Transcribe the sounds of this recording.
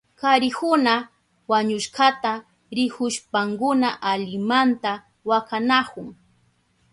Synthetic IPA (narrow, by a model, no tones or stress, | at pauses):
kaɾɪkʊna | waɲʊʃkat̪a | ɾɪkʊʃpaŋkʊnaʔaʎɪmant̪a | wakanakʊŋ